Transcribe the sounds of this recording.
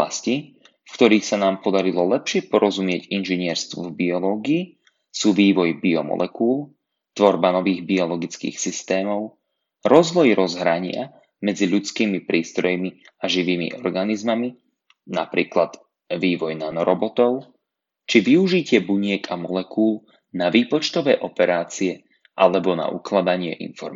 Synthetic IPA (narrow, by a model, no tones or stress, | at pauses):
asci | fkt̪ɔɾiːxsanaːmpɔd̪aɾilɔlɛpʃɪɛpɔɾɔzumɪɛɟinʒiɲɪɛɾst̪ʋɔvbiɔlɔːɡiː | suːʋiːʋɔjbiɔmɔ̰lʔɛkuːlˠ | t̪ʋɔɾbanɔʋiːɣbiɔlɔɡit͡skḭːxsist̪ɛːmɔʊ | ɾɔzʋɔjɾɔzɦɾaɲɪa̰ | mɛd͡ziʎut͡skiːmipɾiːst̪ɾɔjmi | aʒiʋiːmḭʔɔɾɡanizmami | napɾḭːklad̪̥ | ʋiːʋɔjnanɔɾɔbɔt̪ɔʊ | t͡ʃiʋiuʒicɪɛbuɲɪɛkamɔlɛkuːlˠ | naʋiːpɔt͡ʃt̪ɔʋɛːʔɔpɛɾaːt͡siɛ | ʔalɛbɔna̰ʔuklad̪aɲɪɛ̰ʔḭnfɔ̰ɾm